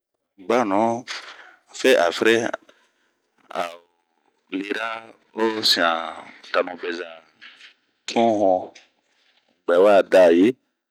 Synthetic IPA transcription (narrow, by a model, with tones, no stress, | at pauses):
ɡ͡ba˦˨nɔ̃˨˦ | a˨fɛ˦ʔa˨fɾɛ˦ | a˨o˨ | le˨ɾa˦ | o˦sĩ˨ã˨ta˨nɔ̃˨bɛ˨za˨ | tʰɔ̃˦ɦɔ̃˧ | ɡ͡bɛ˨wa˦˨da˨je˦